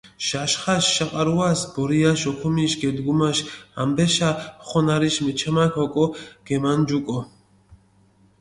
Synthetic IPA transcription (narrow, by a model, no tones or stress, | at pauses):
ʃaʃχaʃːaqʼaɾuasbɔɾiaʃɔkʰɔmiʃɡɛd̪ɡumaʃambɛʃaχɔnaɾiʃmɛt͡ʃʰamakʰɔkʼɔɡ̥ɛmand͡ʒukʼɔ